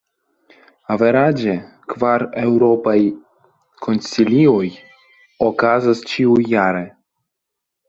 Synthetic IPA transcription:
aveɾad͡ʒe | kvaɾewɾopaj | kʰo̞nsilioj | okazast͡ʃiujːaɾe̞

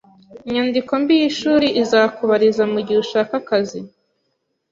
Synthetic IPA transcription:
iɲandiko̞mbijiʃuːɾiʔizaːkuβaɾizamuɟiuʃaːkakazi

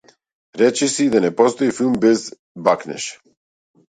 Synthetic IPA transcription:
ɾɛt͡ʃɛsid̪anɛpɔst̪oifilˠmbɛz | baknɛ̰ʃ

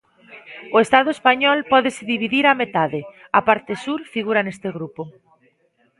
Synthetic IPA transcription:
ʊest̪að̞ʊespaɲɔlpɔðeseðiβiðiɾamet̪aðe | apaɾt̪esuɾfiɣ̞uɾanest̪eɣɾupʊ

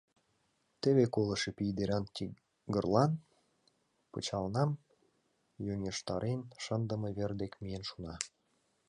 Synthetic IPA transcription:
t̪eβekolə̆ʃepijd̪eɾɑnt̪ʲi | ɡərlɑn | pət͡ɕɑlnɑm | jøŋʲeʃt̪ɑɾʔenʃənd̪ə̆mə̆βerd̪ekmijenʃunɑ

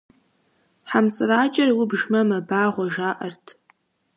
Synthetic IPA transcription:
ħamt͡sʼɨraːt͡ʃʼɐrwʊbʒmɐmɐbaːʁʷaʒaːʔɐrtʰ

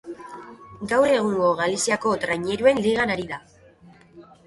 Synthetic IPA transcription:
ɡawɾe̞ɣ̞unuoɣalisiako̞t̪ɾaɲe̞ɾue̞nliɣanaɾiða

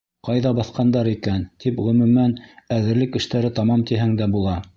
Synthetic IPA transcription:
qɑjðɑbɑθqɑnd̪ɑɾikænt̪ipʁɵ̆mɵ̆mænæðɘ̆ɾlɘkɘ̆ʃt̪æɾɘt̪ɑmɑmt̪iɦæŋd̪æbulˠɑ

